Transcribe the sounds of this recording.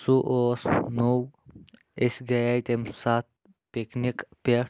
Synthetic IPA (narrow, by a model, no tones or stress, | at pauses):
suʔoːsnow | esʲɡɐjajt̪emsat̪̚ | peknikpe